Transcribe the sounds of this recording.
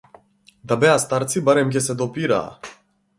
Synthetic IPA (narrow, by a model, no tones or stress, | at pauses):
d̪abɛast̪aɾt̪sibaɾɛmk̬ʲɛsɛd̪ɔpiɾa̰ː